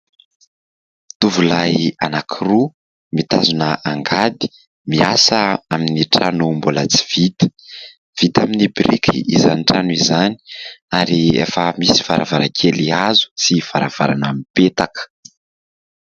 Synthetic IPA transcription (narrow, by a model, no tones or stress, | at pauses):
t̪uvulajanakʰiru | mit̪azunəʔaŋɡad̪i̥ | miasəaminiʈ͡ʂanumbulat͡si̥v̥it̪ə̥ | v̥it̪aminibɾikʲʰiizanʈ͡ʂanuizani̥aɾiḛfəmisi̥va̰ɾa̰vaɾakʰeliazu̥t͡siv̥aɾav̥a̰ɾanamipet̪akə̥